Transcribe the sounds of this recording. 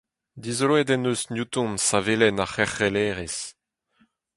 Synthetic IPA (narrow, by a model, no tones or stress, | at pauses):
d̪izlowɛd̪ɛnøsnjut̪ɔ̃nsavelɛnaχɛχelɛːʁes